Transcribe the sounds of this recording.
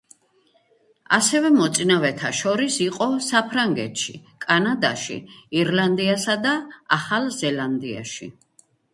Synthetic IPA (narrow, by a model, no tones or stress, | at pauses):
a̰sɛvɛmɔt̪sʼinavɛt̪ʰaʃɔɾisiqʼɔsapʰɾaŋɡɛ̰t̪ʰʃikʼanad̪aʃḭiɾland̪iasad̪aaχalˠzɛland̪ia̰ʃḭ